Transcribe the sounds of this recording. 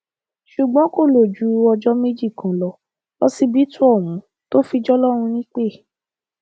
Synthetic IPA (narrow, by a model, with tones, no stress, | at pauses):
ʃu˨ɡ͡bɔ̃˨˦ko˦˨lo˨d͡ʒu˨˦ɔ˧d͡ʒɔ˦me˦d͡ʒi˦˨kã˨˦lɔ˧ | lɔ˦si˧bi˨˦tu˦ɔ˦˨wũ˨˦ | to˦fi˧d͡ʒɔ˦lɔ˦ɾ̃ũ˧nĩ˦k͡pe˦˨